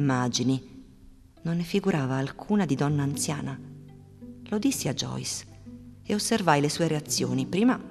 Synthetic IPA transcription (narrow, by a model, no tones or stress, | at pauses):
mːaːd͡ʒini | nonːɪfiɡuɾʔaːvaːlkʰuːnad̪id̪ɔnːaːnt̪sja̰ːna | lod̪isːiad͡ʒːɔ̰js | eosːervajlesuːeɾeat̪sːjoːnipɾiːma